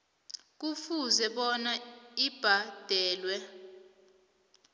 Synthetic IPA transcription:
k̬ufuzɛɓɔnaib̥ʱad̥ʱɛːlwɛ

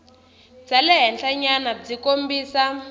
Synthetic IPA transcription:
d͡zalɛɦɛnɬaɲanad͡zikombiːsa

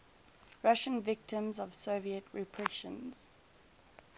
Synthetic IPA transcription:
ɹaʃə̃nvɪk̚tə̃mzɔv̥soːviətʰɹɛpʰɹɛʃə̰̃nz̥

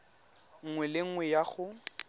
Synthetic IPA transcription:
ŋ̩ŋwɛlɪŋ̩wɛjaχʊ

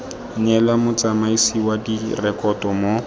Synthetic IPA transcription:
ɲɛlamʊt͡samaisiwadirɛkʼɔtʼɔmo

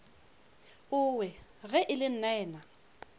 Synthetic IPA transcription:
ʊwɛɣɛʔɪlɪn̩nɛːna

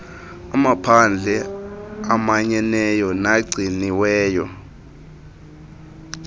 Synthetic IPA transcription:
amapʰand͡ɮʱɛ | amaɲɛnɛjɔnaɡ͡ǀʱiniwɛːjɔ

